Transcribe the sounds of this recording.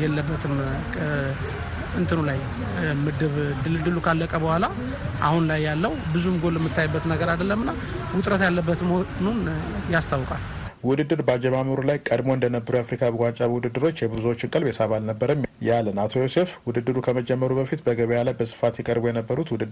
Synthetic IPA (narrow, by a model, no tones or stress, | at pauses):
jɛlːəbːət̪ʰɨmʰ | ɨnt̪ʰɨnulaj | mɨd̪ɨβd̪ɨlɨd̪ɨlːukʰalːəkʼəbəhʷala | ʔa̰hunlajːalːəwbɨzumɡo̞lːɛmːɨt̪ʰːajɪbːət̪nəɡəɾad̪əlːəmːɨnːa | wʊt̪ʼɾət̪jalːəbːət̪ɨmonunjast̪ʰawkʼalwʊd̪ɨd̪ːɨɾbəad͡ʒɛmaməɾulajkʼəd̪moɨnd̪ənəbːəɾujafɾikʰabəɡʷant͡ʃʼaβwud̪ɨd̪ːɨɾo̞t͡ʃːjɛbɨzwot͡ʃːɪnkʼɨlbesaβalnəbːəɾəmjalːənat̪ʰo̞jo̞se̞fwʊd̪ɨd̪ːɨɾukʰəməd͡ʒɛmːəɾubəfit̪bəɡəβəjalajbəsʼɨ̥fat̪jɛkʼəɾbujɛnəbːəɾut̪wʊd̪ɨd̪